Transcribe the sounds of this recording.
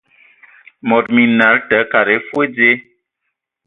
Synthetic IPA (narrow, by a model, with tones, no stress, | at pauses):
mɔ˨t̚mi˨na˨˦ltə˨˦ka˨ɾe˨˦fwe˦d͡ze˦